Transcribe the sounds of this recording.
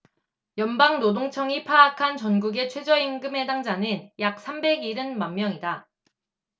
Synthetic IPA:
jʌnbaŋnodoŋt͡ɕʰʌŋipʰaːkʰant͡ɕʌnɡuɡe̞t͡ɕʰwe̞d͡ʑʌinɡɯme̞daŋd͡ʑanɯnjak̚s͈ʰambe̞ɡiɾɯnmamːjʌŋida

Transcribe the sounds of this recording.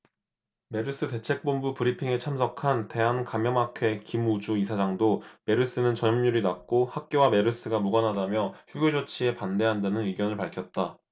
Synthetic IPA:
me̞ɾɯs͈ɯte̞t͡ɕʰe̞k̚p͈ombupɯɾipʰiŋe̞t͡ɕʰamsʰʌkʰante̞ɦankamjʌmakʰe̞kimud͡ʑuisʰad͡ʑaŋdome̞ɾɯs͈ɯnɯnt͡ɕʌɲːuɾinak̚k͈ohak̚k͈jowame̞ɾɯs͈ɯɡamuɡʌnɦadamjʌçjuɡed͡ʑot͡ɕʰie̞pande̞ɦandanɯniɡjʌnɯɭpaɭkʰjʌt̚t͈a

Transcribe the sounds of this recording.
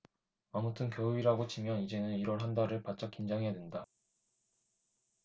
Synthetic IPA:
amutʰɯnkjʌuiɾaɡot͡ɕimjʌnid͡ʑe̞nɯniɾʌɭɦandaɾɯɭpat̚t͡ɕ͈ak͈ind͡ʑaŋɦedwenda

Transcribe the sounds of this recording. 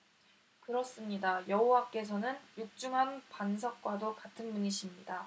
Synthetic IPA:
kɯɾʌs͈ɯmɲidajʌɦowak͈e̞sʰʌnɯnjuk̚t͡ɕ͈uŋɦanpans̬ʰʌk̚k͈wadokatʰɯnmuɲiɕʰimɲida

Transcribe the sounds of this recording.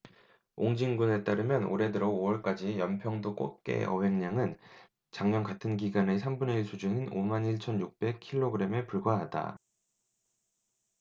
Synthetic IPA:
oŋd͡ʑiŋɡune̞t͈aɾɯmjʌno̰ɾe̞dɯɾʌowʌɭk͈ad͡ʑijʌmpʰjʌŋdok͈o̰t̚k͈e̞̰ʌwe̞ŋɲaŋɯn | t͡ɕaŋɲʌnkatʰɯnɡiɡane̞sʰambuneisʰud͡ʑuninomaniɭt͡ɕʰʌnjuk̚p͈e̞kʰːiɭːoɡɯɾe̞mepuɭɡwaɦada̰

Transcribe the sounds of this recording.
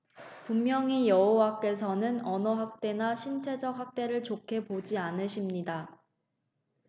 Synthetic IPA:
pumːjʌŋijʌɦowak͈e̞s̬ʰʌnɯnʌnʌɦak̚t͈e̞naɕʰimt͡ɕʰe̞d͡ʑʌk̚hak̚t͈e̞ɾɯɭt͡ɕokʰe̞pod͡ʑianɯɕʰimɲida

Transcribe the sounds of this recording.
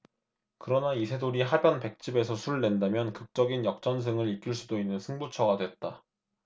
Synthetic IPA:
kɯɾʌnaisʰe̞doɾiɦabjʌnpe̞k̚t͡ɕ͈ibe̞sʰʌsʰuɭnwe̞ndamjʌnkɯk̚t͡ɕ͈ʌɡinjʌk̚t͡ɕ͈ʌns̬ʰɯŋɯɾik͈iɭs͈udoinːɯnsʰɯŋbut͡ɕʰʌɡadwet̚t͈a

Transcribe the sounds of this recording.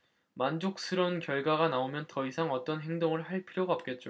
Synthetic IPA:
mand͡ʑok̚s͈ʰɯɾʌnkjʌɭɡwaɡanaomjʌntʌisʰaŋʌt͈ʌnɦe̞ŋdoŋɯɭɦaɭpʰiɾjoɡaʌp̚k͈e̞t̚t͡ɕ͈o

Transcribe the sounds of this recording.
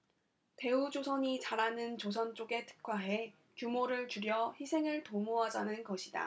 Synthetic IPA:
te̞ud͡ʑosʰʌɲit͡ɕaɾanɯnt͡ɕosʰʌnt͡ɕ͈oɡe̞tʰɯ̥k͈waɦe̞ | kumoɾɯɭt͡ɕuɾjʌçisʰe̞ŋɯɭtomoɦad͡ʑanɯnɡʌɕʰida̰

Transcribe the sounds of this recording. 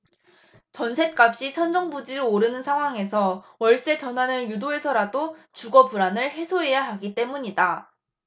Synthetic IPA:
t͡ɕʌnsʰe̞t̚k͈ap̚ɕ͈it͡ɕʰʌnd͡ʑʌŋbud͡ʑiɾooɾɯnɯnsʰaŋɦwaŋe̞sʰʌwʌɭs͈e̞t͡ɕʌnɦwanɯnjudoe̞sʰʌɾadot͡ɕuɡʌpuɾanɯɭɦe̞sʰoɦe̞jaɦaɡit͈e̞muɲida

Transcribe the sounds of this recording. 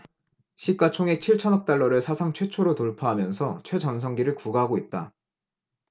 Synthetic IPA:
ɕʰik͈at͡ɕʰoŋek̚t͡ɕʰiɭt͡ɕʰʌnʌk̚t͈aɭːʌɾɯɭsʰasʰaŋt͡ɕʰwe̞t͡ɕʰoɾotoɭpʰaɦamjʌnsʰʌt͡ɕʰwe̞d͡ʑʌnsʰʌŋɡiɾɯɭkuɡaɦaɡoit̚t͈a̰

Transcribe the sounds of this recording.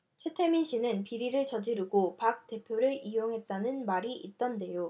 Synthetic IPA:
t͡ɕʰwe̞tʰe̞minɕ͈ʰinɯnpiɾiɾɯɭt͡ɕʌd͡ʑiɾuɡopak̚t͈e̞pʰjoɾɯɾijoŋɦe̞t̚t͈anɯnmaɾiʔit̚t͈ʌnde̞jo

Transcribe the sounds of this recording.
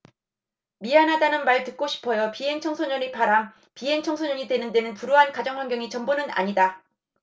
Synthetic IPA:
miɦanɦadanɯnmaɭtɯk̚k͈oɕʰi̥pʰʌjʌpiɦe̞ŋt͡ɕʰʌŋsʰoɲʌnipaɾam | piɦe̞ŋt͡ɕʰʌŋsʰoɲʌɲidwe̞nɯnde̞nɯnpuɾoɦankad͡ʑʌŋwaŋɡjʌŋit͡ɕʌmbonɯna̰ɲida

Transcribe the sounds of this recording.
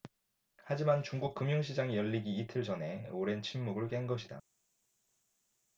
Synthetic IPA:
had͡ʑimant͡ɕuŋɡuk̚k͈ɯmjuŋɕʰid͡ʑaŋijʌʎːiɡiːtʰɯɭd͡ʑʌne̞oɾe̞nt͡ɕʰinmuɡɯɭkeŋɡʌɕʰida̰

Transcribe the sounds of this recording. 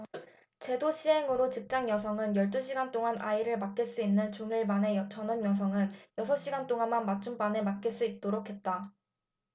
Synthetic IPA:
t͡ɕe̞doɕʰiɦe̞ŋɯɾot͡ɕik̚t͡ɕ͈aŋjʌsʰʌŋɯnjʌɭt͈uɕ͈ʰiɡant͈oŋana̰iɾɯɭmak̚k͈iɭs͈uinːɯnt͡ɕonɯɭmane̞jʌt͡ɕʌnɯnjʌŋs̬ʰʌŋɯnjʌsʰʌɕ͈iɡant͈oŋanmanmat͡ɕ͈ʰump͈ane̞mak̚k͈iɭs͈uit̚t͈oɾokʰe̞t̚t͈a

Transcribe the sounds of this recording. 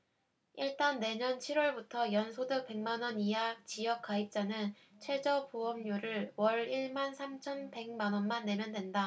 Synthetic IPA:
iɭt͈anːe̞ɲʌnt͡ɕʰiɾwʌɭbutʰʌjʌnsʰodɯk̚p͈e̞ŋmanwʌnijak̚t͡ɕijʌk͈̚aip̚t͡ɕ͈anɯn | t͡ɕʰwe̞d͡ʑʌpuʌmɲoɾɯɭwʌɾiɭmansʰamt͡ɕʰʌnpe̞ŋmanʌnmanːe̞mjʌndwe̞nda

